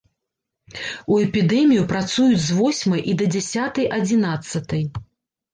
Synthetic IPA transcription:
uɛpʲid̪ɛmʲijupɾat̪sujud͡zʲzvɔsʲmɐjʔid̪ɐd͡zʲasʲat̪ɐjʔɐd͡zʲinat̪sːɐt̪ɐj

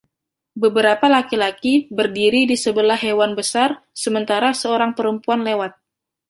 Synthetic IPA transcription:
bəbəɾapalakilakibərdiɾidisəbəlahɦewanbəsarsəmənt̪aɾasəoɾaŋpəɾəmpuanlewat̪̚

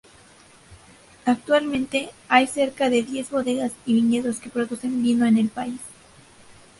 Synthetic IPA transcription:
ak̚t̪walmẽ̞nt̪e̞ajse̞ɾkaðe̞ðje̞zβo̞ðe̞ɣasiβiɲe̞ðo̞ske̞pɾo̞ðuse̞mbinoene̞lpais

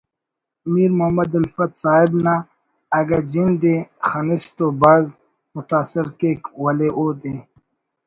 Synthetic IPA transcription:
miːɾmʊɦɐmɐd̪ɐlfɐt̪saːɪbna | ɐɡɐd͡ʑind̪exɐnɪst̪obɐz | mʊt̪aːsɪɾkeːkwɐleʔoːd̪e

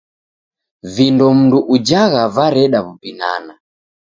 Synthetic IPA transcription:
vindɔm̩nduʔud͡ʒaɣavaɾɛɗaβupina̰na

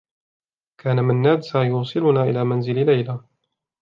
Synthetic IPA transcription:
kʰaːnamɪnːaːd̪sajʊːsˤɨlʊnaːʔɪ̰laːmanzɪllajla

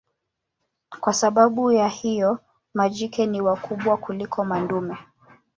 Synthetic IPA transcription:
kwasaɓaɓujahijɔ | mad͡ʒikɛniwakuɓwakulikʰɔmandumɛ

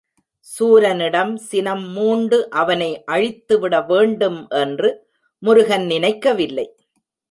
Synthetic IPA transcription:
suːɾɐnɪɽɐmsɪnɐmːuːɳɖɯʔɐʋɐnɐɪʔɐɻɪt̪ːɯʋɪɽɐʋeːɳɖɯmʔɛndrɯ | mʊɾʊɣɐnnɪnɐɪkːɐʋɪlːɐɪ

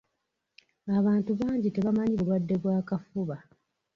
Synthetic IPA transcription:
aβaːntuβaːɲɟite̞βamaɲiβulwadːe̞βwaːkafuβa

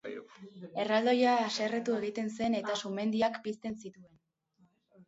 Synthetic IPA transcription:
e̞rald̪o̞jaːseret̪ue̞ɣ̞it̪e̞nse̞ne̞t̪asume̞nd̪iakbist̪e̞nsit̪ue̞n

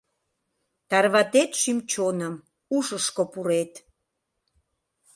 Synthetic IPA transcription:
t̪ɑrβɑt̪et̪ʃymt͡ɕonəm | uʃəʃkopuɾet̪

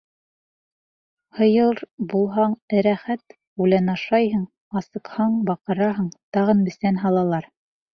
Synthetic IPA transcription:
hɤ̆jɤlˠɾbulˠɦɑɴɘ̆ɾæχæt̪ | ulænɑʃɑjɦɤɴ | ɑsɤ̆qhɑɴbɑqɤ̆ɾɑɦɤɴt̪ɑʁɤ̆nbɘ̆sænɦɑlˠɑlˠɑɾ

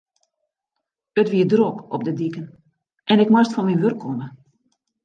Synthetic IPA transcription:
ətʋiədrokɔp̚dədikən | ʔɛnɪkmastfɔnminʋørkʰːonə

